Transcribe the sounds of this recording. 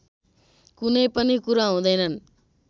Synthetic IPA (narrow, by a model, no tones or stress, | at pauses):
kunʌjpʌnikuɾaɦũd̪ʌjnʌn